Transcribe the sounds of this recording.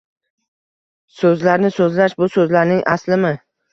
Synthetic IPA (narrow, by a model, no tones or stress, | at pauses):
sɵzlaɾnɪsɵzlaʃbʊsɵzlaɾnɪŋʔaslɪmɪ